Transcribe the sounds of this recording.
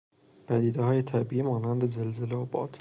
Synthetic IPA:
pʰæd̪iːd̪ehɒːjet̪ʰæbiimɒːnænd̪ezelzeleɒːbɒ̰ːd̪̥

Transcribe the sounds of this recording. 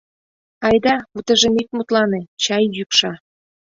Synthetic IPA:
ɑjd̪ɑut̪ə̆ʒemik̚mut̪lɑnet͡ɕɑjːykʃɑ

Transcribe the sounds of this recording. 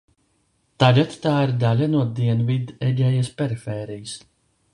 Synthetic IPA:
t̪alat̪t̪aːiɾd̪alʲanuɔd̪iɛnvid̪ɛɟʲɛjaspʲɛɾifɛːɾijɨs

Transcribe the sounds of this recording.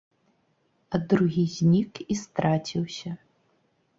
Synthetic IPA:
ɐd̪ɾuɣʲizʲnʲikist̪ɾat͡sʲiwsʲɐ

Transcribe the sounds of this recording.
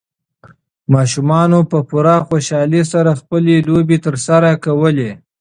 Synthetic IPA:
mɑʃumɑnopəpʊɾaxoʃɑlesaɾaxpəlelobet̪əɾsaɾakawəle

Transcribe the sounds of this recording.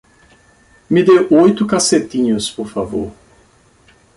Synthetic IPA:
mɪd̪ewʔojt̪ʊkaset̪ĩɲʊspoɾfavo̰ɾ

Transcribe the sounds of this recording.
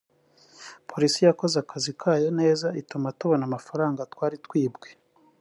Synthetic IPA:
pʰo̞ɾisijako̞zakʰazikʰaːjo̞ne̞ːzaitumatuβo̞namafaɾaːŋɡatwaːɾitwiːbɡe̞

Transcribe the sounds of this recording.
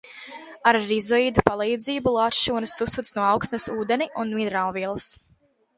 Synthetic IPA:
aɾːizɔid̪upalˠijd̪ziːbulˠaːt̪ʃuːnɐsːusːut̪snuɔawksnɐsuːd̪ɛniʔunminɾaːlˠviɛlˠəs

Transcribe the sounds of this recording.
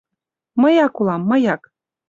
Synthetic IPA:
məjɑkulˠɑmːɤjɑk

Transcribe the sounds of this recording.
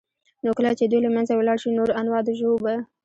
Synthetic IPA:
nokəlat͡ʃed̪ujlamanzawlɑɽʃinoɾanwɑd̪ʒoba

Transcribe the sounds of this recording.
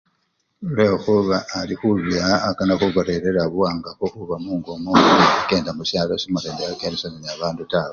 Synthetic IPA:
lexuβaːlixuβjaːkanaxuβoɾeɾe̞ɾaβuwaːŋɡaxoxuβamuːŋɡomouuke̞ːndamusjaːlosimareːndajakeːndesananiaβaːndutaβo

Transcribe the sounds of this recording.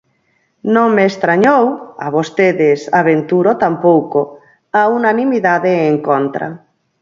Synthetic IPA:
nõŋmeːst̪ɾaɲowaβost̪eðesaβent̪uɾot̪ampowko | aunanimiðaðeːŋkont̪ɾa̰

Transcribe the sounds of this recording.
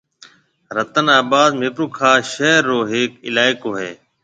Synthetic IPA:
ɾət̪ənaːbaːd̪mɪpɾuːkʰaːʃeːɾːoːɦɪːkɪ̰laːɪkoːɦḛː

